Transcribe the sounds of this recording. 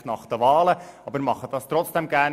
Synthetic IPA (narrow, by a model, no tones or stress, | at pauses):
nɑχd̥̪əʋɑːləɑbəɾmɑχəd̥ɑst̪ɾɔt͡sd̥ɛmɡæːn